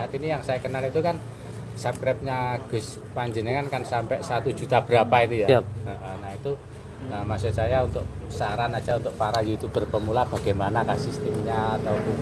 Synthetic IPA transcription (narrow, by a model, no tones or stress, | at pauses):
inijaŋsajakənalit̪ukan | sap̚kɾɛp̚ɲaɡ̥ʊ̤s | paɲd͡ʒənəŋankansampɛʔsat̪u̥ʒ̥ṳt̪ab̥əɾapait̪ujaəʔənait̪u | əmasesajaunt̪ʊʔsaɾanad̥ʒ̥aunt̪ʊʔ̚paɾajut̪ub̥ərpəmulab̥a̤ɡ̥emanakasist̪imɲaat̪aw